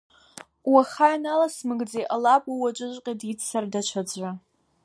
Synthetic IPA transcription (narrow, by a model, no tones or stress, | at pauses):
waχajnalasmɨɡd͡zeʔalapʼawat͡ʃʷʼɨʒʷʼqʲʼadit͡sʰsardat͡ʃʷʰad͡zʷʼa